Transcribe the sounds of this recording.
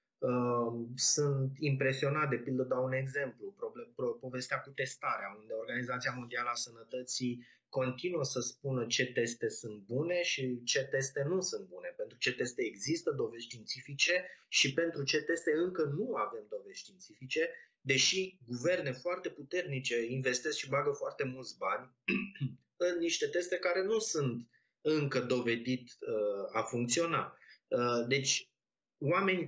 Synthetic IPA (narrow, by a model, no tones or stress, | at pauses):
ə | sunt̪impɾe̞sio̞nat̪̚d̪e̞pild̪əd̪oaune̞ɡze̞mplupɾobpo̞ve̞st̪eakut̪e̞st̪aɾeaund̪eo̞rɡanizat̪siamo̞nd̪ialəasənət̪ət̪si | ko̞nt̪inuəsəspunət͡ʃe̞t̪e̞st̪e̞sunt̪̚bune̞ʃit͡ʃe̞t̪e̞st̪e̞nusɨnt̪̚bune̞pent̪ɾut͡ʃe̞t̪e̞st̪e̞ːɡzist̪əd̪o̞vez̥ʲʃt̪int̪sifit͡ʃe̞ʃipe̞nt̪ɾut͡ʃe̞t̪e̞st̪eɨŋkənuave̞md̪o̞ve̞z̥ʲʃt̪int̪sifit͡ʃe̞ | d̪e̞ʃiɡuve̞rne̞foart̪e̞put̪e̞rnit͡ʃe̞inve̞st̪eskʃibaɡəfoart̪e̞mult̪sbanʲ | ɨnːiʃt̪e̞t̪e̞st̪e̞kaɾe̞nusunt̪ | ɨŋkəd̪o̞ve̞d̪it̪əafuŋk̚t̪sio̞na | d̪e̞t͡ʃʲ | wame̞nʲ